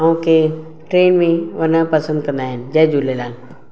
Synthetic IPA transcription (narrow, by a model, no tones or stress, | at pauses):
aũkʰe | ʈɾeːnmẽʋɐnəpɐsə̃nd̪̚kɐ̃nd̪aːɦɪnɪ̆d͡ʑɐɦd͡ʑolelaːl